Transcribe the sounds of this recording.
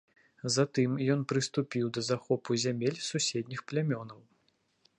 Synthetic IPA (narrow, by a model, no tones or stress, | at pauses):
zat̪ɨmjɔnpɾɨst̪upʲiwd̪ɐzaxɔpuzʲamʲelʲsusʲed̪ʲnʲixplʲamʲɔnɐw